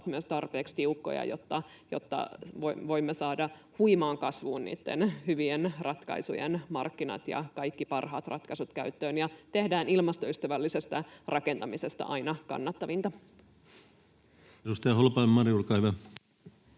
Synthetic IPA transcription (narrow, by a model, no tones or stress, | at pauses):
t̪myøst̪ɑrpeːkst̪iukːo̰jɑ̰jot̪ːɑ | jo̰t̪ːɑ̰ʋoʋo̞imːesɑːdɑ | huimɑːŋkɑsʋuːnnḭːt̪ːenhyʋienrɑt̪kɑ̰isujḛnmɑ̰rkːinɑ̰t̪jɑ̰kɑikːipɑrɦɑ̰ːt̪rʔɑt̪kɑsut̪kæyt̪ːøːnjɑt̪ehdæːnilmɑst̪oyst̪æʋælːisest̪ærʔɑke̞nt̪ɑmisest̪æ̰ʔɑinɑkɑ̰nːɑt̪ːɑʋint̪ɑ | edust̪ɑjɑholpɑimːɑɾijurkɑhyʋæ